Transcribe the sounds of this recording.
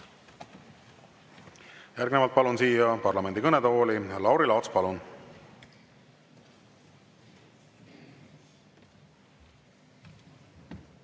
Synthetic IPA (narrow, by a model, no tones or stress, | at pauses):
jærɡnevɑlt̪̚pɑlunsiːjɑpɑrlɑme̞nd̪ikɤned̪̥eho̞ːlilɑwɾilɑwt̪spɑlun